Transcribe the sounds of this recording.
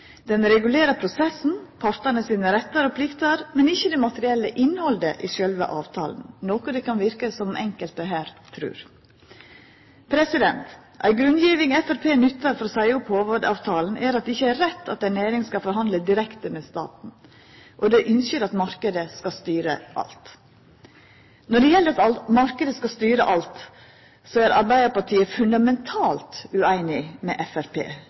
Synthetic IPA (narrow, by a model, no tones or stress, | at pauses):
d̪̥ɛnɾɛɡʉleːɾəpʰɾʊsɛsn̩pʰɑɾt̪ənəsiːnəɾɛt̪ːɑɾɔpʰlɪkt̪ɑɾmɛnɪçːəd̪ɛmɑt̪əɾɪɛlːəʔɪnːhɔld̪əʔɪʃœlʋə̰ʔɑ̰ːʋt̪ʰɑ̰ːln̩noːkɔd̪ɛkʰɑnʋɪɾkəsɔmɛŋkəlt̪əɦæːɾt̪ʰɾʉ̰ːɾ | pʰɾɛsɪd̪ɛnt̪ | ʔæ̰ɪɡɾʉnd̪jiːʋɪŋɛfæɾpʰeːnʏt̪ːəɾfɔɾɔsæɪʊphoːʋədɑ̰ːʋt̪ʰɑːln̩ʔæɾɑt̪̚d̪ɛɪçːəæɾɾɛt̪ʰːɑt̪ːæɪnæːɾɪŋskɑfɔɾɦɑnd̪ləd̪ɪɾɛkt̪əmɛːst̪ɑ̰ːt̪n̩ | ʔɔd̪ɛʔʏnsəɾɑt̪mɑɾkəd̪əskɑst̪yːɾə̰ʔɑ̰lt̪ | nɔɖɛjɛlːəɾɑt̪ɑmɑɾkəd̪əskɑst̪yːɾəʔɑlt̪ | sɔæɾɑɾbæɪd̪əɾpɑʈʰiːəfʉnd̪ɑmɛnt̪ʰɑːlt̪ʉæɪnɪmɛ̰ːʔɛfæɾpʰḛː